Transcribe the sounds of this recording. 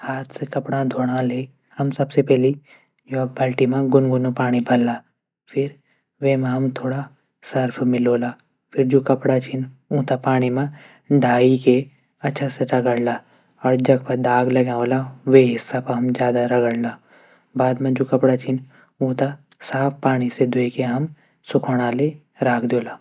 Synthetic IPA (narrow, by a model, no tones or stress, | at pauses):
haːt̪ʰsekɐpɽ̃ãd̪ʱoːɽ̃ãleː | hɐmsɐbsepɛːli | jɔːk̚balʈimãɡʊnɡʊnopaːɽ̃ibʱɐlːaː | pʰɪɾ | ʋeːmãɦɐmt̪ʰoːɽa | səɾpʰmɪloːlaː | pʰɪɾd͡ʒoːkɐpɽat͡ʃʰɪnũːt̪apaːɽ̃imã | ɖʱaːike | ɐtːʃʰaseɾɐɡəɽlaː | ɔːɾd͡ʒɐkpɐɾd̪aːɡlɐɡãːõlaʋeɦɪsːapɐɦɐmd͡ʒjaːd̪aɾɐɡəɽlaː | baːd̪mẽd͡ʒoːkɐpɽat͡ʃʰɪn | ũːt̪a | saːpʰpaːɽ̃ised̪uikeɦɐm | sʊkʰoɽ̃ale | ɾaːkʰd̪oːlaː